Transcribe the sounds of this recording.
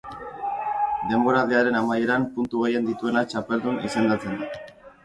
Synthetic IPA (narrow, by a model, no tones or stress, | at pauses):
d̪e̞mbo̞ɾaðeaɾe̞namaje̞ɾampunt̪uɣe̞je̞nd̪it̪ue̞nat͡ʃape̞ld̪unḭse̞nd̪at͡se̞n